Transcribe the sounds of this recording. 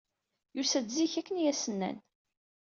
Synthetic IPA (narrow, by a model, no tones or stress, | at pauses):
jusæd̪ziçækːənjæsənːæ̰n